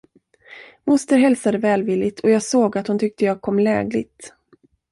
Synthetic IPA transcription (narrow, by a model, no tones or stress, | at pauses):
mʊst̪əɾɦɛlsad̪əvɛːlvɪlːɪt̪ʰɔjɑːɡsoːɡat̪hʊnt̪ʰʏk̚t̪əjɑːɡ̚kʰɔmːlɛ̰ːɡlɪ̰ɡt̪